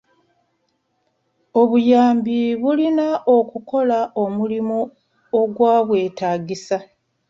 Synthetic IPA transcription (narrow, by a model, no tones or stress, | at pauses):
o̞βujaːmbiβulinaʔokuko̞lao̞mulimo | oɡwaːβwe̞ːtaːɡisa